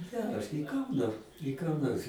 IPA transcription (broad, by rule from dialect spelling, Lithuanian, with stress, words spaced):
ˈɡʲæːrɐs nʲɛɪ ˈkɐndɐ nʲɛɪ kɑː ˈnoːrs